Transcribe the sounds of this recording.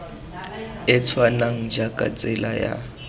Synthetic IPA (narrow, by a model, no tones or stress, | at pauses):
ɪt͡sʰwanaŋ̩d͡ʒakʼa̰t͡sʼɪlaja̰